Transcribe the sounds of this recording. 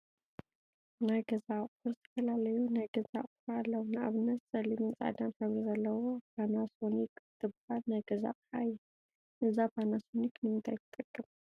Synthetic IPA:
najɡɐzaqʼfɨɾzɨt̪ʰɐfɐlalɐjunajɡɐza̰qʼɨħaalːɐwnɨʔa̰βɨnːɐt̪sʼɐlimɨnt͡sʼa̰d̪anħɨβɾizɐlːɐwopanasonikt̪ʰɨbhalnajɡɐza̰ʔʼħajɛ | ʔɨzafanasonikʰnɨmɨd̪ajt̪ʰɨt̪ʼɨkʼːɨm

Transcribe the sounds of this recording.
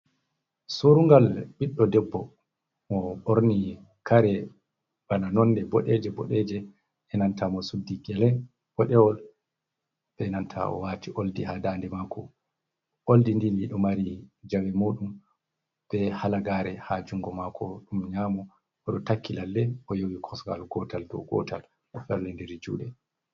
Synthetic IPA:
suɾuŋɡalɓiɗːɔdɛbːɔ | mɔɓoɾni | kaɾɛ | ɓananɔnːdɛbɔɗɛd͡ʒɛbɔ̰ɗɛd͡ʒɛ | ɛnantʰamɔsudiɡɛlɛ | bɔɗɛwɔl | ɓ̥ɛnantʰa̰ɔ̰watiʔoldihadaːndɛmakʰɔ | ʔoldindiliɗɔmaɾid͡ʒawɛmoːɗum | b̥ɛhalaɡaːɾɛhad͡ʒuŋɡɔmakʰɔɗumɲaːmɔ | ɔɗɔtakːilalːɛɔjowikʰɔsɡa̰lɡɔtaldɔ̰ɡɔ̰ta̰l | ɔfɛɾlɛndiɾid͡ʒṵːɗɛ

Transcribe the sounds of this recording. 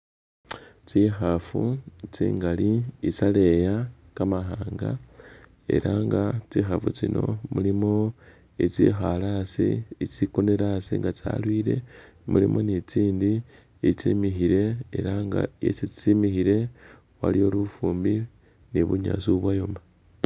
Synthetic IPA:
t͡sixafut͡sḭːŋɡaliit͡sale̞ja | kamaxaːŋɡa | e̞̰ɾʔaŋɡat͡sixafut͡sino̞mulimo̞ | it͡sixalasiit͡sikone̞ɾasiŋɡat͡sa̰lwiːɾe̞̰ | mulimʔo̞nit͡siːndi | it͡simixiɾe̞eɾaŋɡa̰jḛsit͡simixiɾe̞ | wa̰lijo̞lufuːmbi | niβuɲa̰suβwajoma

